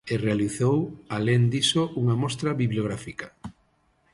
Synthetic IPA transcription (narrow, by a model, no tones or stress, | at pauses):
erealiθowalend̪isoʔuŋɐmɔst̪ɾɐβiβlioɣɾafikɐ̥